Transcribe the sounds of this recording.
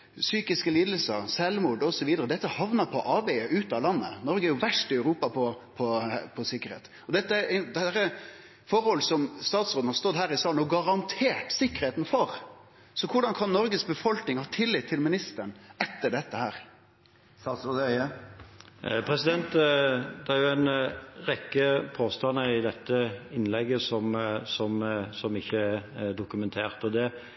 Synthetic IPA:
syːkɪskəliːd̪əlsəɾsɛlmuːɖ̪ɔsɔʋiːd̪əɾəd̪ɛt̪ːəhɑʋnəpʰɔʔɑːbɛʔʉːt̪ɑlɑnːə̰nɔɾɡəæɾjʊʋæʂʈɪœʉɾuːpɑpʰɔpʰɔpʰɔsɪkːəɾhḛːt̪ | ɔd̪ɛt̪ːəæɾd̪æɾə | fɔɾhɔlːəsɔmst̪ɑːt̪sɾoːd̪n̩hɑɾst̪ɔd̪hæːɾɪsɑːlnɔɡɑɾɑnt̪ʰeːʈsɪkːəɾheːt̪n̩fɔɾ | sɔkʰʊɖɑnkʰɑnnɔɾɡəsbəfɔlknɪŋhɑːt̪ʰɪlːɪt̪ʰːɪlmɪnɪst̪əɳɛt̪ːəɖɛt̪ːəhæːɾ | pʰɾɛsɪd̪ɛnt̪ːd̪ɛæɾjʊæɪnʁɛkːəpʰoːst̪ɑnːəɪd̪ɛt̪ːəɪnlɛɡːəsɔmsɔmsɔmɪçːəæd̪ʊkʉmɛnt̪ʰeːʁt̪ɔd̪ɛ

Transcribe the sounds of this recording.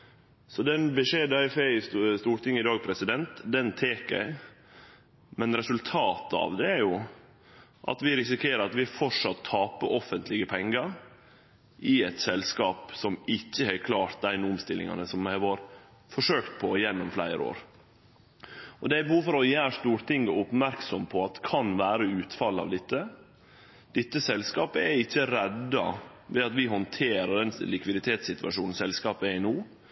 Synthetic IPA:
sɔd̪ɛnbəʂeːd̪ɑɪfeɪsst̪uːɾʈ̪ɪŋːɪd̪ɑːɡ̚pʰɾɛsɪd̪ɛnt̪d̪ɛnt̪ʰeːkæ̰ɪ | mɛnɾɛsʉlt̪ʰɑːt̪ɑ̰ʋd̪ɛæɾjʊ | ʔɑ̰t̪ʋɪɾɪsɪkʰeːɾəɾɑt̪ʋɪæfɔʂɑt̪ʰːɑːpəʔɔfənt̪lɪɡəpʰɛŋɡɑɾ | ʔɪɛt̪sɛlskɑːpsɔmɪçːəhɛɪkʰlɑːʈ̪̚d̪æɪnʊmst̪ɪlɪ̰ŋɑ̰nəsɔmæɪʋɑːɾ | fɔʂøːkt̪̚pʰɔjɛnːɔmflæ̰ɪɾə̰o̰ːɾ | ɔd̪ɛæɪbəhuːfɔɾɔjæːɾʂt̪uːɾt̪ʰɪŋɡəʊpmæɾksɔmpʰɔɑt̪kʰɑnʋæːɾəʉːt̪fɑlːɑ̰ʋd̪ɪt̪ːə | d̪̥ɪt̪ːəsɛlskɑːpəɛɪçːəɾɛd̪ːɑ̰ | ʋɛɑt̪ʋɪɦɔnt̪ʰeːɾəɖɛnlɪkʋɪd̪ɪt̪ʰeːt̪sɪt̪ʋɑ̰ʂuːnn̩sɛlskɑːpəɛɪnoː

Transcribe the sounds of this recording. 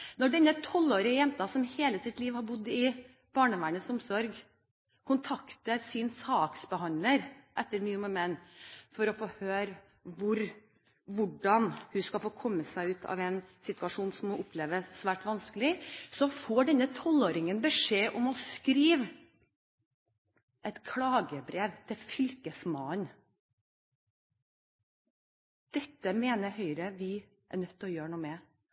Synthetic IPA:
nɔɖɛnːət̪ʰɔlːoːɾɪəjɛmt̪ɑsɔmheːləsɪt̪liːʋhɑɾbʊd̪ːɪ | b̥ɑːɳəʋæːɳəsʊmsɔɾɡ | kʰʊnt̪ʰɑkt̪əɾsɪnsɑːksbəhɑnləɾʔɛt̪ːəɾnyːməmɛnːfɔɾɔfoːhøːɾ | ʋʊɾ | ʋʊɖɑnhʉskɑlfoːkʰɔmːəsæɪʉːt̪ʰɑ̰ʋɛɪnsɪt̪ʰʉɑʂuːnsɔmːɔʔʊpʰleːʋəsʋæːʈʋɑnskəlɪsɔfoːɖɛnːət̪ʰɔloːɾɪŋənbəʂeːʔɔmɔskɾiːʋ | ʔɛt̪kʰlɑːɡəbɾeːʋt̪ʰɪfʏlkəsmɑːn | d̪̥ɛt̪ːəmeːnəhœʏɾəʋɪ | ʔæ̰nœt̪ːɔjøːɾɳuːmɛ

